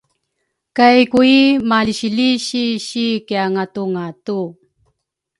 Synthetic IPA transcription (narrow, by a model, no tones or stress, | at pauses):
kajkuimaliɕiliɕiɕikijaŋat̪uŋatu